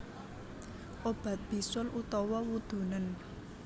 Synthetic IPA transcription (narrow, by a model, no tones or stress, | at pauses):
ʔob̥ä̤t̪̚b̥i̤sʊlʔut̪ɔwɔwud̪̥ṳnən